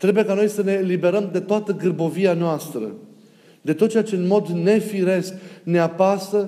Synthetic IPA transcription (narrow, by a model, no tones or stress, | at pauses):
t̪ɾe̞buje̞kano̞jsəne̞libe̞ɾəmd̪e̞t̪oat̪əɡɨrbo̞vianoast̪ɾə̰ | d̪e̞t̪ot̪̚t͡ʃeat͡ʃe̞ɨnmo̞d̪ne̞fiɾe̞skne̞apasə